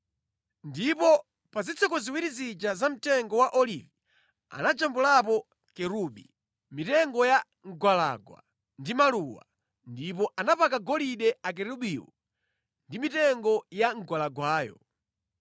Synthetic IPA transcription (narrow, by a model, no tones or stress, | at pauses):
ndipɔ | pazit͡sʰɔkɔziwiɾizid͡ʒazam̩tɛŋɡɔwaʔɔlivi | a̰nad͡ʒambulapɔ | kɛɾuɓḭ | mitɛŋɡɔja | ŋɡwala̰ɡwa̰ | ndimaluwa̰ | ndipɔʔanapakaɡɔliɗɛak̬ɛɾuɓiwɔ̰ | ndimitɛŋɡɔjaŋ̩ɡwalaɡwaːjɔ̰